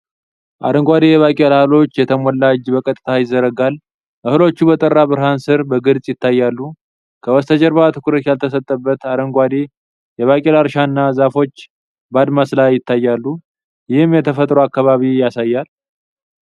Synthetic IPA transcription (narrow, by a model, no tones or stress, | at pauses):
ʔa̰ɾəŋɡʷad̪ejɛβakʼelhalo̞t͡ʃːjɛt̪ʰəmɔlːad͡ʒbəkʼət̪ʼɨt̪ʰajɪzːəɾəɡal | ʔɨhɨlo̞t͡ʃːubət̪ʼərːabɨɾɦansɨɾbəɡɨɾsʼjɪt̪ʰːajːalːu | kʰəwɔst̪ʰəd͡ʒəɾβat̪ʰɨkʰɨɾət̪jalt̪ʰəs̬ət̪ʼːəbːət̪aɾəŋɡʷad̪e | jɛβakʼelaɾʃanːazafo̞t͡ʃː | bad̪maslajːɪt̪ːajːalːu | jɪhɨmjɛt̪ʰəfət̪ʼɾoakːaβaβijasajːal